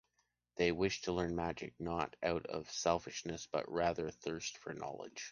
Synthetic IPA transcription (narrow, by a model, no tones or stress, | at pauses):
ðeɪwɪʃtʰəlɜ̃˞nmæd͡ʒɨ̰k̚nəɾaʊɾʌ̰v̥sɛlˠfɨʃnɨsb̥ʌ̰ʔ̚ɹæðə˞θɜ˞stfə˞nɑ̰lˠɪ̰d̥ʒ̥